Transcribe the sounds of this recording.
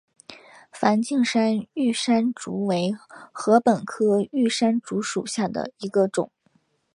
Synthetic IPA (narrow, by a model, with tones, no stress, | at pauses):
fa˧˥nt͡ɕi˥˩ŋʂa˥ny˥˩ʂa˥nʈ͡ʂu˧˥we˧˥ɪxɤ˧˥pə˨˩nkʰɤ˥y˥˩ʂa˥nʈ͡ʂu˧˥ʂu˨˩ɕja˥˩d̪ə̰˩i˧˥ɡə˧ʈ͡ʂʊ̰˨˩˦ŋ